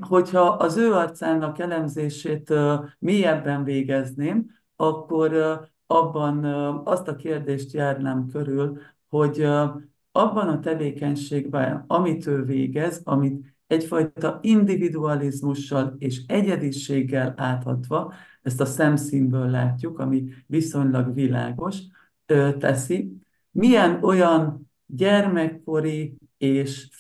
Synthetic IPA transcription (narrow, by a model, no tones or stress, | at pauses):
ho̞chɒʔɒzøːɒrt̪saːnɒkɛlɛmzeːʃeːt̪miɛbːɛɱveːɡɛzneːm | ɒkːo̞r | ɒbːɒnɒst̪ɒkeːrd̪eːʃt̪jaːrnamkø̞ɾyl | ho̞ɟ | ɒbːɒnɒt̪ɛveːkɛɲʃeːɡbɛ̰ɒmit̪ʰøːlveːɡɛzɒmit̪ | ɛcfɒjt̪ɒind̪ivid̪uɒlizmuʃːɒleːʃɛɟɛd̪iʃeːɡːɛlaːt̪hɒ̰t̪ʋɒ | ɛst̪ɒsɛmsiːmbøːlːaːcːukɒmiviso̞ɲlɒɡvila̰ːɡo̞ʃ | øt̪ɛsi | miɛno̞jɒn | ɟɛrmɛkːo̞ɾi | eːʃ